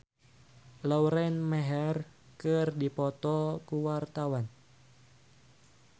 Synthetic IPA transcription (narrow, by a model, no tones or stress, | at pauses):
lɔwɾɛnmɛɦɛr | kərdipɔt̪ɔkuwart̪awan